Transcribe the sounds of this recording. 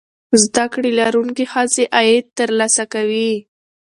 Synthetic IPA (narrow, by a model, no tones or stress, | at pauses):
zd̪akɽelaɾuŋkexaseʔajed̪̚t̪ːəɾlɑsakawi